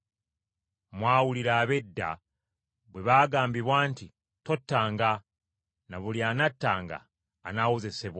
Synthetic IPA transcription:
mwaːwuliɾaːβe̞dːa̰ | βwe̞βaːɡaːmbiβwaːnti | to̞tːaːŋɡa | naβuliaːnatːaːŋɡa̰ː | nawoze̞seβwa

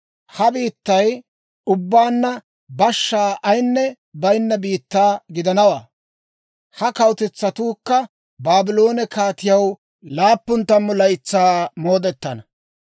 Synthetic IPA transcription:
hɐbiːt̪ːɐj | ʊbːaːnːɐ | bɐʃːaːʔɐjnːɛ | bɐjɪnːɐbiːt̪ːaːɡɪd̪ɐnɐwaː | hɐkɐwt̪ɛt͡sːɐt̪uːkːɐ | baːbɪlo̞ːnɛkaːt̪ɪjɐw | laːpːʊnt̪ːɐmːʊlɐjt͡sːaːmo̞ːd̪ɛt̪ːɐnɐ

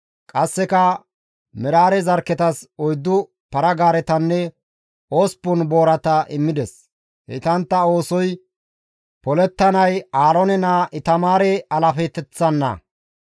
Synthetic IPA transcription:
kʼɐsːɛkɐ | mɛɾaːɾɛzɐɾkːɛt̪ɐsɔjd̪ːʊ | pɐɾɐɡaːɾɛt̪ɐnːɛ | oːspːʊnbo̞ːɾɐt̪ɐʔɪmːɪd̪ɛs | hɛ̰t̪ɐnt̪ːɐo̞ːsɔj | pɔlɛt̪ːɐnɐjaːlɔnɛnaʔɪt̪ɐmaːɾɛɐlɐfɛt̪ːɛt͡sːɐnːɐ̰

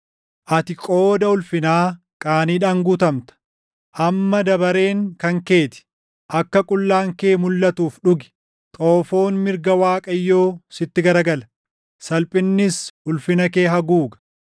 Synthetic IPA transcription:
ʔɐt̪ɪkʼo̞ːd̪ɐʊlfɪnaː | kʼaːniːᶑaːŋɡuːt̪ɐmt̪ɐ̥ | ʔɐmːɐd̪ɐbɐɾe̞ːŋkɐŋke̞ːt̪ɪ̥ | ʔɐkːɐkʼʊlːaːŋke̞ːmʊlːɐt̪uːfᶑʊɡɪ̥ | t̪ʼo̞ːfo̞ːnmɪɾɡɐwaːkʼɐjːo̞ːsɪt̪ːɪɡɐɾɐɡɐlɐ | sɐlpʼɪnːɪshʊlfɪnɐke̞ːɦɐɡuːɡɐ̥

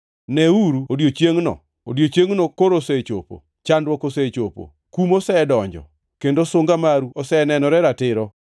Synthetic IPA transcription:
nɛuɾuodjot͡ʃjeŋnɔ̰ | o̰djot͡ʃjeŋnokoɾoset͡ʃo̰po̰ | t͡ʃandwɔkoset͡ʃopo̰ | kumosɛdɔɲd͡ʒɔ̰ | kendosoŋɡamaɾuɔsɛnɛnɔɾɛɾatɪɾɔ

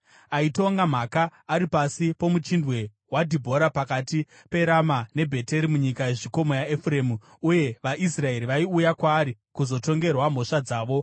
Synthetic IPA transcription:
aitoŋɡam̤akaːɾipasipo̞mut͡ʃindwe̞ | wadʱibʱo̞ɾapakati | pe̞ɾamane̞bʱe̞te̞ɾimuɲikaeʐiko̞mojaefre̞ːmu | uje̞ʋaʔisrae̞ɾiʋaiujakwaːɾi | kuzo̞to̞ŋɡe̞rwam̤o̞ʂad͡zaːʋo̞

